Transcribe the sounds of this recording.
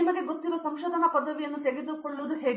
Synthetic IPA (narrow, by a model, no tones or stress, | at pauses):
imɐɡebut̪ːilusɐmʃoːd̪ʱɐnɐpɐd̪ʱːɐʋijɐnːut̪eɡid̪ukoɭːuʋɐd̪uɦeːɡ